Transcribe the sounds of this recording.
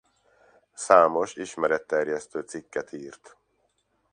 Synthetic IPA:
saːmo̞ʃiʃmɛɾɛt̪ːɛrjɛst̪øːt̪sikːɛt̪ʰiːrt̪

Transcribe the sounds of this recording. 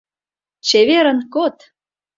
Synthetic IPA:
t͡ɕeβeɾə̆nkot̪

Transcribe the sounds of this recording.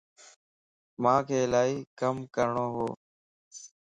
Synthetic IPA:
mãːkʰeːlaːiːkəmkəɾɳoːɦoː

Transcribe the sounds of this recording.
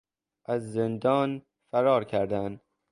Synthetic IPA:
ʔæzːend̪ɒːn | fæɾɒːɾcʰæɾd̪æn

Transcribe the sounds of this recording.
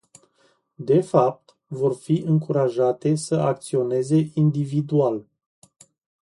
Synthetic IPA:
d̪e̞fap̚t̪ | vo̞rfiʔɨŋkuɾaʒat̪e̞səak̚t̪sio̞ne̞ze̞ʔind̪ivid̪ual

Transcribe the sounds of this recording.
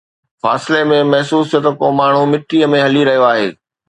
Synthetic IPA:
faːsɪlemẽmɐɦsuːst̪ot̪əkomaːɳ̤̃umɪʈːiəmẽɦɐliɾɐɦijoaːɦeː

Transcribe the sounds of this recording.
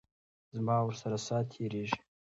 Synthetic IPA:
zmaːwɾsaɾasaːt̪ʰeɾeʒ

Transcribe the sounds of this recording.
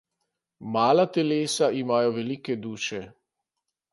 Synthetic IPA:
maːlat̪ɛleːsaimaːjɔʋɛliːkɛd̪uːʃɛ

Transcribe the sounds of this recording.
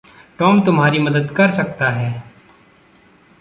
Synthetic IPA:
ʈɔːmt̪ʊmɦaːɾimɐd̪əd̪kɐɾsɐk̚t̪aɦɛː

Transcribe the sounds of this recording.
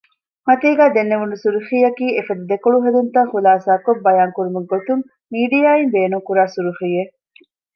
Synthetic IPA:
mɐt̪iːɡæːd̪enːeʋunusuɾuxiːjɐkiːefɐd̪ud̪ekoɭuɦed̪unt̪ɐχulaːsaːkobːɐjaːŋkuɾumɐɡot̪uŋ | miːɖijaːimbeːnuŋkuɾaːsuɾuχije

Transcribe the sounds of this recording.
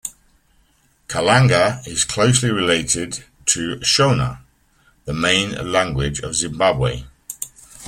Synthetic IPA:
kʰəlãŋɡəɪz̥kʰl̥oʊsliɹɪleɪtɪd | tʰəʃõʊnə̰ | ðəmẽɪ̃nlãŋɡwɪd͡ʒə̰vzɪ̃mbabwḛɪ

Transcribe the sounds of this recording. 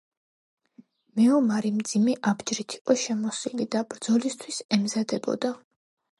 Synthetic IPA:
mɛɔmaɾimd̪zimɛʔabd͡ʒɾit̪ʰi̥qʼɔʃɛmɔsilid̪abɾd̪zɔlist̪ʰwisɛmzad̪ɛbɔ̰d̪a

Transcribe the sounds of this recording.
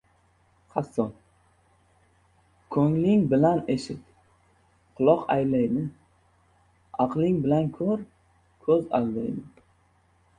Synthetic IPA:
χasːɒn | kʰɵŋlɪŋbɪlane̞ʃɪt̪ | qʰʊlˠɒqa̰jlajd̪ɪ | ɑqlɪŋbɪlankʲʰɵɾ | kʰɵza̰lˠd̪ajd̪ɪ

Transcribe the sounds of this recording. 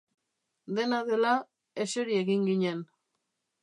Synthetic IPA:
d̪e̞naðe̞la | e̞seɾie̞ɣiŋɡiɲe̞n

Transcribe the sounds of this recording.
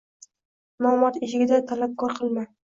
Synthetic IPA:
nɒmɒt̪eʃɪɡʲɪd̪at̪ʰalap̚kʰɒɾqʰɨlˠma

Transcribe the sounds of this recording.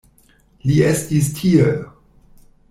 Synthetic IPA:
liestistʰie

